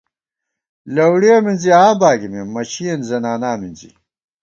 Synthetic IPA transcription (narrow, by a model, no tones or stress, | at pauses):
lɐwɽieminziãːbaːɡimimːɐɕiɐnzɐnaːnaːminzḭ